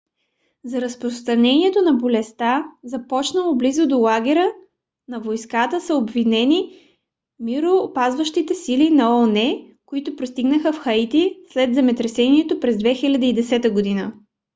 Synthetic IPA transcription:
zɐɾɐspɾost̪ɾɐnɛniɛt̪onɐbolɛst̪azɐpɔt͡ʃnəlˠoblizod̪olˠaɡɛɾʲə | nɐvojskat̪əsəobvinɛni | miɾopazvəʃt̪it̪ɛsilinɐɔnɛ | koit̪ʊpɾost̪iɡnəxəfxɐit̪islɛd̪zɛmɛt̪ɾɛsɛniɛt̪opɾɛzd̪vɛxilʲɐd̪əid̪ɛsɛt̪əɡod̪inə

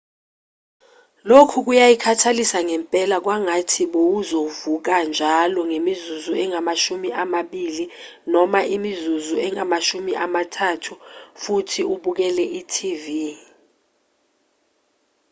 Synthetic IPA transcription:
lokʰuk̬ujajikʰatʰalisaŋɛmpʼɛlak̬waŋatʰiɓowuzovuk̬and͡ʒʱalɔŋemizuzuɛŋamaʃumiʔamaɓiːli | nɔmaʔimizuzuɛŋamaʃumiʔamatʰatʰufutʰiuɓuk̬ɛlɛʔitʰivi

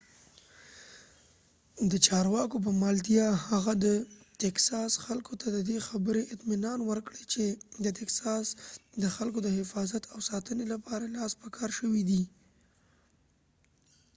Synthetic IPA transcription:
d̪ət͡ʃɑɾwɑkop̬əmɑld̪ijɑhaɣad̪ət̪aksɑsxalkot̪ʰad̪əd̪exabəɾeʔɪt̪mɪnɑnwəɾkɽet͡ʃed̪ət̪aksɑsd̪əxalkod̪əɦɪfɑzat̪ʰawsɑt̪ənelapɑɾalɑspəkʰɑɾʃəwid̪i

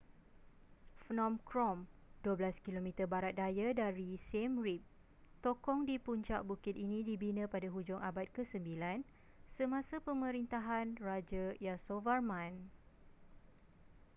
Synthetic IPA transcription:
fnɔ̃mkɾɔmduəblaskilomĩt̪ərbaɾat̪̚dajadaɾisemrip̚ | t̪okɔŋdipuɲt͡ʃaʔbukɪt̪̚inĩdibinə̃padaɦud͡ʒʊŋabat̪̚kəsəmbilan | səmãsapəmə̃ɾint̪aɦanrad͡ʒəjasovarmãn

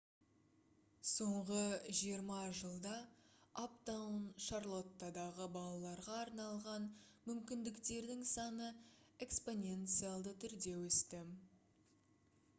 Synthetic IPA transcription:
so̞ɴʁəʒijəɾmɑʒəlˠd̪ɑapt̪awnʃaɾlˠo̞t̪ːad̪ɑʁəbɑlˠɑlˠɑɾʁɑːɾnɑlˠʁɑnmʏmkʲɪnd̪ɪkt̪e̞ɾd̪ɪŋsɑnəe̞kspo̞nʲe̞nt̪sɨjalˠd̪ət̪ʰʏɾd̪e̞wɵst̪ɪ

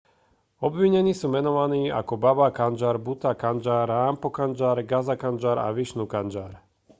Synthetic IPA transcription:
ɔbʋiɲɛniːsuːmɛnɔʋaniːa̰kɔbabakand͡ʒaːɾbut̪akand͡ʒaːɾaːmpɔkand͡ʒaːɾɡazakand͡ʒaːɾa̰ʋiʃnuːkand͡ʒaːɾ

